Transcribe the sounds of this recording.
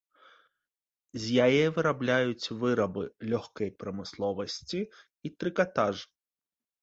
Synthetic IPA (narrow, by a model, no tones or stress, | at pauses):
zʲjajɛvɨɾablʲajut͡sʲvɨɾɐbɨlʲɔxkɐjpɾɐmɨslˠɔvɐsʲt͡sʲi | it̪ɾɨkat̪aʐɨ